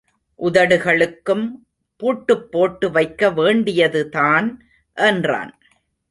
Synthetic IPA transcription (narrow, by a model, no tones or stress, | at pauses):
ʔʊðɐɽɯɣɐɭɯkːɯm | puːʈːɯpːoːʈːɯʋɐɪkːɐʋeːɳɖɪjɐðɯtaːn | ʔɛndra̰ːn